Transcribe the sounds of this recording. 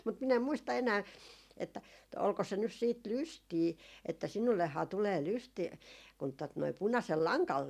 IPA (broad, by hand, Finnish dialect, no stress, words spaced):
mut min em muistɑ enæː etːæ olko se nys siːt lystiː etːæ sinulːehːɑː tuleː lystiː kun tot noi punɑsel lɑŋkɑn